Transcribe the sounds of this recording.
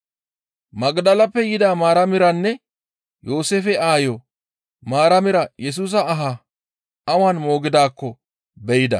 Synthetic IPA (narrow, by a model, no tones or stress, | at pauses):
mɐɡd̪ɐlɐpːɛjɪd̪aːmaːɾɐmɪɾɐnːɛ | jo̞ːseːfɛaːjɔ | maːɾɐmɪɾɐjɛs̬uːs̬ɐːɦa | ʔɐwanmo̞ːɡɪd̪aːkːɔ | bɛjɪd̪ɐ̰